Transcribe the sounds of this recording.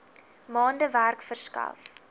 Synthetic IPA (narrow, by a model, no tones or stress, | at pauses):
mɑːndəværkfərskɐ̰f